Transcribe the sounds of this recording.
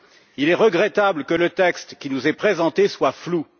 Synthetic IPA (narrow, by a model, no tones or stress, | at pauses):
ilɛʁəɡʁɛt̪abləkələt̪ɛkst̪kʲinuzɛpχezɑ̃t̪eswaflu